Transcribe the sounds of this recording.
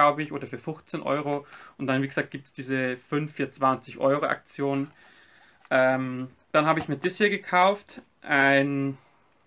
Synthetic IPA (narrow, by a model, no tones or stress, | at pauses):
aʊbəɪçʔoːdɐfyːɐfʊxt͡senʔɔ̰ʏʁoʊnt̚d̥anviːɡəzaːk̚ɡ̥iːp̚tsd̥iːzəfʏnfjaːt͡sv̥annt͡sɪçʔɔ̰ʏʁoʔa̰k̚t͡sjoːnən | ʔɛm | d̥anhɦaːbəɪçmiːɐdishiːɐɡəkʰaʊft | ʔaɪn